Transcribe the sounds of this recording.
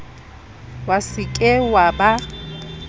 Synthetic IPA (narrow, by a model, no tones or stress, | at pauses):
wasɪkʼɪwaba